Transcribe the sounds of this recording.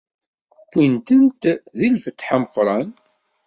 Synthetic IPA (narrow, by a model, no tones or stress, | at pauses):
kʷːint̪ənt̪ðilfət̪ːħaməqːɾˤɑn